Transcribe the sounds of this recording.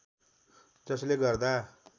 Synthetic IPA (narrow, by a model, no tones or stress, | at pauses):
d͡zʌsleɡʌrd̪a